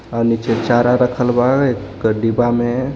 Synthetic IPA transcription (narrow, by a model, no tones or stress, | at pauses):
aɾnit͡ʃet͡ʃaɾaɾəkʰəlbae | kəɖibame